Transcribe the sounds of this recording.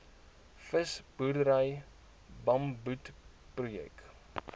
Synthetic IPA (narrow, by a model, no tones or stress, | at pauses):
fəsb̥urdəɾəj | bɐmbut | prujɛ̰k